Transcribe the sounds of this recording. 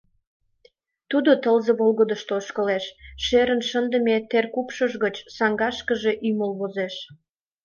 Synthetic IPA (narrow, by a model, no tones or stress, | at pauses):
t̪ud̪ot̪əlzəβolɣəd̪əʃt̪ooʃkəleʃʃeɾənʃənd̪əmet̪erkupʃəʒɣət͡ɕsɑŋɡɑʃkəʒe̽ʔyməlβozeʃ